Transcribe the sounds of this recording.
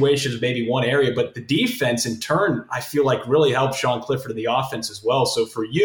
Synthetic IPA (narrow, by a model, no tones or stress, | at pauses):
eɪʃɨ̃nʌvmeɪbiwʌ̃ñɛɹiɨbʌt̪̚ðɨdifɛ̃nsɨ̃ntʰɜ̃˞naɪfilaɪkɹɪlˠihɛlˠp̚ʒ̥ɑ̃nkʰl̥ɪfə˞ɾ̃n̩ðiɔfɛ̃nsɨzwɛlˠsoʊfə˞j